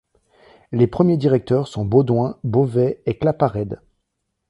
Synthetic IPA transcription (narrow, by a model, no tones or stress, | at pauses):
lepχəmjed̪iʁɛk̚t̪œʁsɔ̃bod̪wɛ̃bovɛeklapaʁɛd̪